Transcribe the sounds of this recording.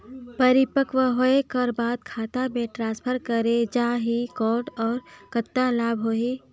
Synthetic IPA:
pəɾɪpəkʋəɦoekəɾbaːd̪̚kʰaːt̪amẽʈɾãːspʰəɾkəɾed͡ʒaːɦikɔːʈɔːɾkət̪ːalaːbʱɦoɦiː

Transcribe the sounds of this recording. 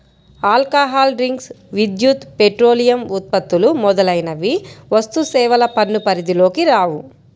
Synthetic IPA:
aːlkaːɦaːlɖɾiŋks | ʋid̪jut̪peʈɾoːlijɐmut̪̚pɐt̪ːulumɔd̪ɐlɐjnɐʋiʋɐst̪usɛːʋɐlɐpɐnːupɐɾid̪ilo̞ːkiɾaːʋu

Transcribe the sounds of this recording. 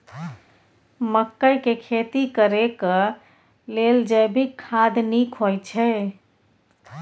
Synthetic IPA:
məkːəjkekʰet̪ikəɾekə | leld͡ʒəbʱikʰːad̪nikʰojt͡ʃʰɛ

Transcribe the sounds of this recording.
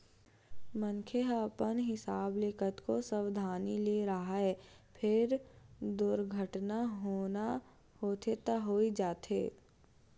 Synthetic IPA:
mə̃nkʰeɦəpənɦɪsaːblekʰət̪kosəʋd̪ʱaːnileɾaaɛpʰɪɾd̪ʊɾɡʱəʈnaɦoːna | hoːt̪ʰet̪aɦoːid͡ʒaːt̪ḛː

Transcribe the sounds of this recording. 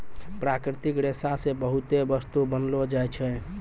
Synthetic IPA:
pɾakɾɪt̪ikɾesasebəɦut̪ebəst̪ubənlod͡ʒajt͡ʃʰɛ

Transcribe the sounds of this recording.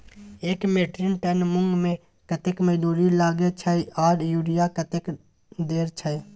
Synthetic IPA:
eːkmeːʈɾɪnʈənmʊŋɡmẽ | kət̪ɪkməd͡ʒnuːɾilaːɡet͡ʃʰəiaːɽjuːɽɪjakət̪ɪk | d̪eːɾt͡ʃʰəj

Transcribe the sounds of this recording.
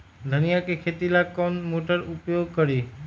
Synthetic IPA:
d̪ʱənijakekʰeːt̪ilakɔnmoːʈəɾʊpjoɡ̚kəɾiː

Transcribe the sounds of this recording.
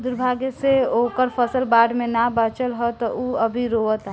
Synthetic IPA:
d̪uɾbʱaɡeseokəɾpʰəsəlbaːɖmẽnabat͡ʃəlɦɔt̪ɔʔuəbʱiɾoət̪aɦ

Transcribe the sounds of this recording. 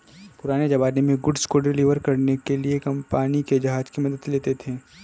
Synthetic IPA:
pʊɾaːned͡ʒɐbaːnemẽɡʊɖskoɖɪliːʋəɾkɐɾnekeliekɐmpaːniked͡ʒɐɦaːd͡ʒkimɐd̪əd̪leːt̪et̪ʰeː

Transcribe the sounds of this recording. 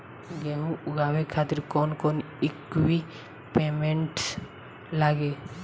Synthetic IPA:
ɡeɦũʊɡawekʰaːt̪ɪɾkɔːnkɔn | ikwi | peːmẽɳʈ | laːɡe

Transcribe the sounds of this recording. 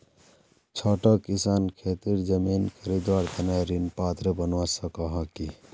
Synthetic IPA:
t͡ʃʰɔʈəkːisankʰet̪iɾd͡ʒəminkʰəɾid̪waɾt̪ʰənajɾinpat̪ɾebənwasəkɔɦʌki

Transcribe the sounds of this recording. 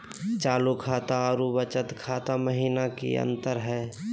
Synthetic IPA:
t͡ʃaːlukʰaːt̪aɾubət͡ʃət̪kʰaːt̪aməɦiːnakḭə̰nt̪əɾɦɛː

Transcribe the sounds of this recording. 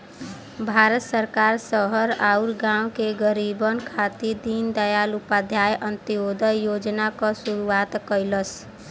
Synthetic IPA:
bʱaɾət̪səɾkaɾsəɦəɾauɾɡãwkeɡəɾibənkʰat̪id̪ind̪əjalupad̪ʱjajʔənt̪ijod̪əjod͡ʒnakɔsuɾuat̪kəjləs

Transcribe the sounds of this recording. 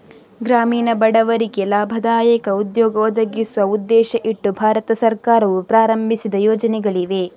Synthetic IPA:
ɡɾaːmiːnɐbɐɽɐʋɐɾikɛlaːbʱɐd̪aːjɐkɐud̪jɔːɡɐɔd̪ɐɡisʋɐud̪ːɛːʃɐʔiʈːubʱaːɾɐt̪ɐsɐɾkaːɾɐʋupɾaːɾɐmbʱisid̪ɐjɔːd͡ʒɐnɛɡɐɭiʋe

